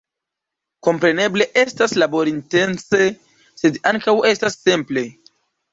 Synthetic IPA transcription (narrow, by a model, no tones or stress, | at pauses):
ko̞mpɾe̞ne̞ble̞ʔe̞staslabo̞ɾinte̞nse̞ | se̞daŋkawe̞stasːemple̞